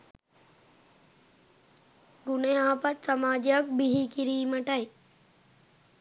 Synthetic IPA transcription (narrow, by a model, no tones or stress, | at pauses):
ɡʊneãːpɐt̪sɐmaːd͡ʒak̚biɦikiɾiːmɐʈaj